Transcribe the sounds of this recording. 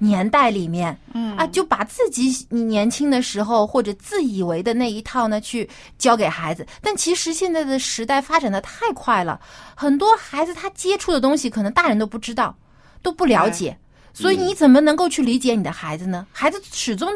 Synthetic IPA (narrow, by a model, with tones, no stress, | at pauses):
njɛ˧˥nt̪a˥˩ɪli˨˩mjɛ˥˩nə˧t͡ɕjo˥˩ʊpa˨˩t͡sɹ̩˥˩t͡ɕi˧˥ni˨˩njɛ˧˥nt͡ɕʰi˥ŋd̪ə˨ʂɻ̩˧˥xo˧ʊxwɔ˥˩ʈ͡ʂɤ˨˩t͡sɹ̩˥˩i˨˩we˧˥ɪd̪ə˧na˥˩ɪi˧˥t̪ʰɑ˥˩ʊnə˩t͡ɕʰy˥˩ | t͡ɕjɑ˥ʊke˨˩ɪxa˧˥ɪd͡zɹ̩˧t̪a˥˩nt͡ɕʰi˧˥ʂɻ̩˧˥ɕjɛ˥˧nt͡sa˥˩ɪd̪ə˩ʂɻ̩˧˥t̪a˥˩ɪfa˥ʈ͡ʂa˨˩nd̪ə˦t̪ʰa˥˩˧ɪkʰwa˥˩ɪlə̰˩xə˨˩nt̪wɔ˥xa˧˥ɪd͡zɹ̩˧t̪ʰa˥t͡ɕjɛ˥ʈ͡ʂʰu˥˩d̪ə˩t̪ʊ˥ŋɕi˨˩kʰɤ˨˩nɤ˧˥ŋt̪a˥˩ɻə˧˥nt̪o˥ʊp̬u˥˩ʈ͡ʂɻ̩˥t̪ɑ˥˩ʊ | t̪o˥ʊpu˥˩ljɑ˧˥ʊt͡ɕjɛ̰˨˩˦ | swɔ˧˥i˨˧˩ni˧˥t͡sə˨˩nmə˦nɤ˧˥ŋko˥˧ʊt͡ɕʰy˥˩li˧˥t͡ɕjɛ˧˥ni˨˩ə˦xa˧˥ɪd͡zɹ̩˧nə˩xa˧˥ɪd͡zɹ̩˧ʂɻ̩˨˩ʈ͡ʂʊ˥ŋ